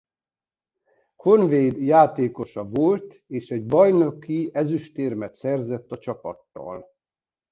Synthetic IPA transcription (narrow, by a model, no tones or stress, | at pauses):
kʰo̞nveːd̪jaːt̪eːko̞ʃɒvo̞lt̪ | eːʃɛɟbɒjno̞kːiɛzyʃt̪eːrmɛt̪sɛrzɛt̪ːɒt͡ʃɒpɒ̰t̪ːɒ̰l